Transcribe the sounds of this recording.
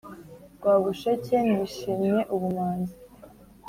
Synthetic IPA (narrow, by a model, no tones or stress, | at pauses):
ɡwaːβuʃecendiʃimɲeʔuβumaːnzi